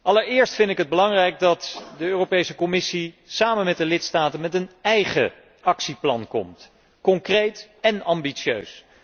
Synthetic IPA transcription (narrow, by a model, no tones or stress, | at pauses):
ʔɑləɹɪːɹstfɪndɪkɦəd̚bəlɑŋrɛjk̚dɑtdəøːropejsəkomɪsi | saːmənmɛt̚dəlɪtstaːtənmɛtənɛjχə̰ | ɑksiplɑ̰nkɔ̰mt | kɔŋkrejtɛnɑmbiʃø̰ɥs